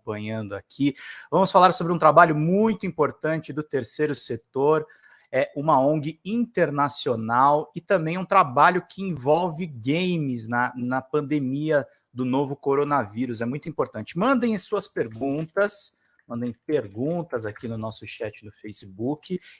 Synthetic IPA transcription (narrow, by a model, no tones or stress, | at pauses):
pɐ̃ɲɐ̃nd̪ʊakʰivɐ̃mʊsfalaɾsobɾɪũt̪ɾabaʎʊmũj̃t̪ʊĩpoɾt̪ɐ̃t͡ʃɪd̪ʊt̪eɾsejɾʊset̪oɾ | ɛʔũmɐõɡɪĩnt̪eɾnasionawɪt̪ɐ̃mbẽj̃ũt̪ɾabaʎʊkʰɪĩvɔwvɪɡẽjmɪznɐnɐpɐ̃nd̪emiɐ | d̪ʊnovʊkoɾonɐviɾʊsɛmũj̃t̪ʊĩpoɾt̪ɐ̃nt͡ʃɪmɐ̃nd̪ẽj̃suɐspeɾɡũt̪ɐs | mɐ̃nd̪ẽj̃peɾɡũt̪ɐzakinʊnɔsʊʃɛt͡ʃɪnʊfejsɪbukɪ